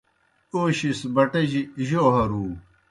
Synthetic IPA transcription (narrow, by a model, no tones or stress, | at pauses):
oːɕisbɐʈɐʑiʑoːɦɐɾuː